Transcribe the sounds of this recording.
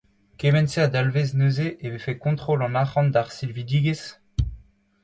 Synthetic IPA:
kevɛnsead̪alveznøzeʔevefekɔ̃t̪χolɑ̃naχɑ̃nd̪aʁsilvid̪iːɡes

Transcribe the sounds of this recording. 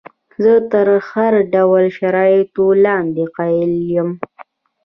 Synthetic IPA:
zət̪əɾhaɾɖawalʃaɾɑɪt̪olɑnd̪eqɑjɪljəm

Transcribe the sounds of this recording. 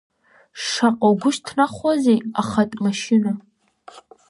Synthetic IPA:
ʂaqʼowɡʷʊʃtʰnaχʷazejaχatʼmaʃɪna

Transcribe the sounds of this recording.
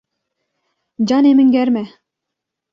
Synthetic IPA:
d͡ʑɑnemɘ̆ŋɡʲæɾmæ

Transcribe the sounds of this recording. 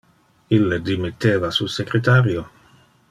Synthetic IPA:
ilːed̪imit̪ːeːvasusekɾet̪aːɾjo

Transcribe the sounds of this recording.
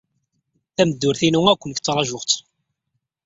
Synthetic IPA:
θæməd̪ːʊɾθinuŋækʷːənçt͡sːɾˤɑʒʊʁt̪

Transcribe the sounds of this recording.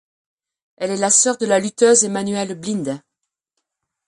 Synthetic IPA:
ɛlɛlasœʁd̪əlalyt̪øzemanɥɛlblĩnd̪

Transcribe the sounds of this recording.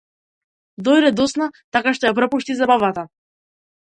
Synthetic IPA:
d̪ɔjɾɛd̪ɔsnat̪akaʃt̪ɔjapɾɔpuʃt̪izabavat̪a

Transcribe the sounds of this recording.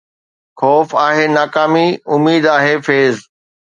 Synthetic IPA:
xɔːfaːɦeːnaːkaːmiʊmːiːd̪aːɦefeːz

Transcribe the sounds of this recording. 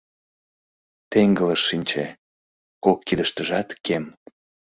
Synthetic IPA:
t̪eŋɡələʃːinʲt͡ɕḛ | kokːid̪əʃt̪əʒɑt̪kem

